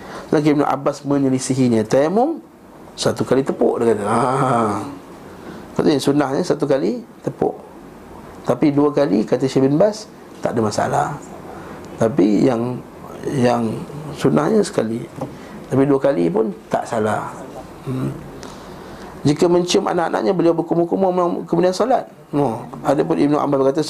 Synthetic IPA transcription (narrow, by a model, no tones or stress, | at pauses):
ənak̬iəmna̰ʔa̰basmə̃ɲəlisiɦiɲət̪amʊŋ | sat̪ukalit̪əpoʔdəkat̪əa | kat̪əjaŋsunahɲəsat̪̬ukalit̪əpʊ̰ʔ | t̪apiduəkalḭkat̪əʃabinbas | t̪a̰ʔdəmasa̰la̰h | t̪apijaŋ | jaŋsunahɲəsə̥kali | t̪apiduəkalipʊnt̪a̰ʔsalah | d͡ʒikəmə̃ɲt͡ʃəmʔa̰naʔa̰na̰ʔɲabəliawbəkumʊkumomaŋkəmũdiansolat̪̚ | noadəp̬ʊnib̚nuʔa̰mbalbəkat̪a